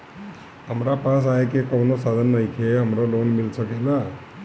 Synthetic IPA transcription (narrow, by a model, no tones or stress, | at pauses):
əmɾapãsajekekəʋnosad̪ʱənːəjkʰeəmɾoloːnmilsəkela